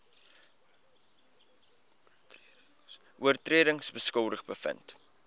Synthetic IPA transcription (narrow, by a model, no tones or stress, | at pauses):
ʔuərtriəɾəŋsbəskəlˠdəχbəfə̰nt